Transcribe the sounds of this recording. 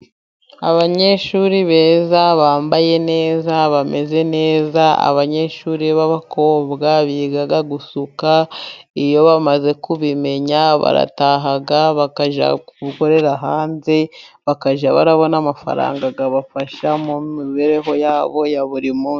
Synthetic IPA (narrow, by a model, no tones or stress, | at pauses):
a̰βaɲe̞ʃuɾiβe̞ːzaβaːmbaje̞ne̞ːzaβame̞ze̞ne̞ːzaa̰βaɲe̞ʃuːɾiβaβakʰo̞ːbɡaβiɡaɡaɡusukaijo̞βamaze̞kuβime̞ɲaβa̰ɾa̰taːɦaɡaβakaʒa̰kuβuko̞ɾe̞ɾaɦaːnze̞βakaʒaβa̰ɾaβo̞namafa̰ɾa̰ːŋɡaɡaβafaʃamumiβeɾe̞ɦo̞jaːβo̞jaβuɾimu